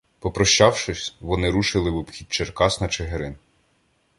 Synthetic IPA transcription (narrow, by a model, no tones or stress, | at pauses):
pɔpɾɔʃt͡ʃɑwʃɪsʲʋɔnɪɾuʃɪlˠɪʋɔbxʲid̪̚ʲt͡ʃerkɑsnɐt͡ʃeɦeɾɪn